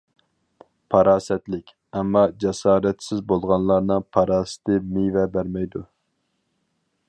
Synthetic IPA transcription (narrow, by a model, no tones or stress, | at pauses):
pʰɑɾɑːsɛt̪lɪkʲ | ɛmːɑd͡ʒɛsɑːɾɛt̪sɪzbolˠʁɑnlˠɑɾnɨŋpʰɑɾɑːsɪ̥t̪ɪmijvɛbæɾmɛjd̪u